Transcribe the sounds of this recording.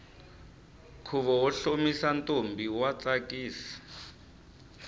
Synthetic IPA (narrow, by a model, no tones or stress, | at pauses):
kʰuβɔwɔɬomisantʼombiwat͡sʼakʼiːsi̥